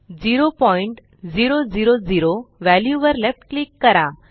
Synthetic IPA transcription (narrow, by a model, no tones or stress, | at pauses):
d͡ziɾopɔiɳʈ | d͡ziɾod͡ziɾod͡ziɾoʋæljuʋəɾlefʈklikːəɾa